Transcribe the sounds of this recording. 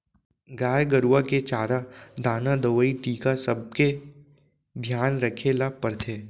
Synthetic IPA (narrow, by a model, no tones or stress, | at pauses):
ɡaːjɡəɾuwaket͡ʃaːɾad̪aːnad̪əʋəiʈiːkasəb̚ke | d̪ʱjaːnɾəkʰelapəɾt̪ʰeː